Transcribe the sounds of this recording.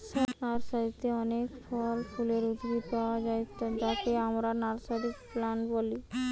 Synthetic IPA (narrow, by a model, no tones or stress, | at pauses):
ʃanaɾsaɾit̪eɔnekfʰɔlfʰuleɾud̪ɡit̪paoad͡ʑaet̪ad͡ʑakeamɾanaɾsaɾikplanboli